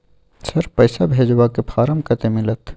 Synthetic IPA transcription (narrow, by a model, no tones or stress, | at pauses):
sɐɾpəjsabʱeːd͡ʒwakepʰaːɾəmkət̪emɪlət̪